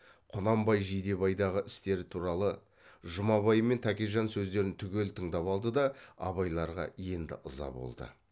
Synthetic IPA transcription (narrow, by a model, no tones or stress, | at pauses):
qʰʊnɑmbɑjʒijd̪e̞βɑjd̪ɑʁəʔɪst̪e̞ɾɪt̪ʰuɾɑlˠə | ʒʊmɑβɑjəme̞nt̪ʰækʲeʒɑnsɵzd̪e̞ɾɪnt̪ʰʏɡʲe̞lt̪ʰəɴd̪ɑpɑlˠd̪əd̪ɑɑ̰βɑjlˠɑɾʁɑ̰je̞nd̪ɪ̰ʔəzɑ̰bo̞̰lˠd̪ə̰